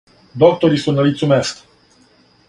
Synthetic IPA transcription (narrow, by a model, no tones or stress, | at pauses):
d̪ok̚t̪oɾisənəlit̪sumesk